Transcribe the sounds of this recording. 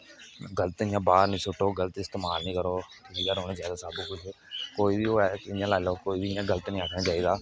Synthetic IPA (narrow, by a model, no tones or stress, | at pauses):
ɡələt̪ɪ̃jãːbaːɾnĩːsʊʈoːɡəlt̪ɪst̪eːmaːlnĩːkəɾoː | ɪːjaːɾɦoːnẽzjaːd̪aːsaːbũːkʊd͡ʒʰkoːiːbiːoːɛːɪjãːlaːɪloːkoːiːbiɪjãːɡələt̪nĩːaːkʰɽaːt͡ʃaːiːd̪aː